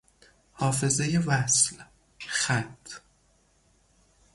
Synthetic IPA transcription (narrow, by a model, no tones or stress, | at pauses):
hɒːfe̞zejevæsl | xæt̪ʰː